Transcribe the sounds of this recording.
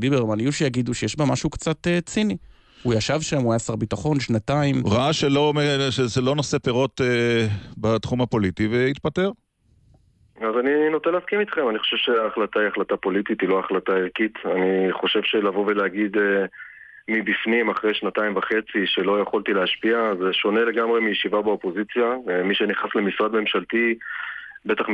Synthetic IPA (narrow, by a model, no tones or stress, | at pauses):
d̪ibeʁmanjuʃijaɡid̪uʃejeʃbamaʃukt͡sat̪et͡sini | ujaʃavʃamuajasaʁbitaχo̞nʃnataimʁaaʃelomeʃezelo̞nosepeʁo̞t̪ebat̪χumhapo̞lit̪iveit̪̚pateʁ | azaninot̪enleaskimit̪χe̞maniχoʃe̞vʃeaχlat̪aiaχlat̪apo̞lit̪it̪ilo̞aχlataiʁkit̪aniχo̞ʃe̞vʃe̞lavoveleaɡid̪ | mibifnimaχʁejʃnat̪aimvaχe̞t͡siʃe̞lo̞jeχolt̪ileaʃpiazeʃo̞ne̞le̞ɡamʁemijeʃivabeopo̞zit͡sjamiʃe̞niχasle̞misʁad̪̚me̞mʃalt̪i | bet̪aχ